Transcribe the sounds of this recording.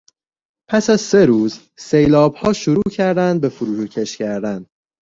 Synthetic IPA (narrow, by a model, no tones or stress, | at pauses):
pʰæsæz̥seɾuːz | se̞jlɒːbhɒːʃoɾuːcʰæɾd̪ænd̪be̞fuɾuːʃucʰeʃcæɾd̪æn